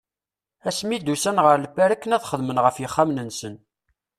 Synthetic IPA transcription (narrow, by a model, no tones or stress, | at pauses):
æsmid̪usænʁəɾləpːæɾækːənæðχəðmənʁəfjəχːamnənsən